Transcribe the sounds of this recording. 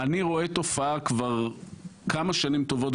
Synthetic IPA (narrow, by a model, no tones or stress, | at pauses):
aniʁo̞e̞t̪o̞faakvaʁkamaʃanimt̪ovot